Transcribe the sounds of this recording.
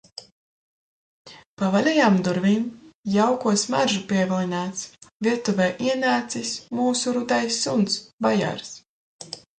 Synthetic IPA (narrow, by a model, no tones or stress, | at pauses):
pavalʲɛjaːmd̪uɾvinjawkuɔsma̰ɾʒupiɛvilˠinaːt̪sviɛt̪uvɛːʔiɛnaːt̪sismuːsuɾud̪ajsːunt̪sbaja̰ɾs